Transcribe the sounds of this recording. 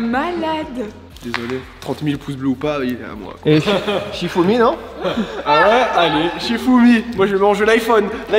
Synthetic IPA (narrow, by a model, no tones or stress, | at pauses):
malad̪ | d̪ezɔlet̪χɑ̃t̪milpʰus̬bløupajet̪ã̰mwa̰kweʃifuminɔ̃ | awɛaleʃifumimwaʒəmɑ̃ʒelajfɔnla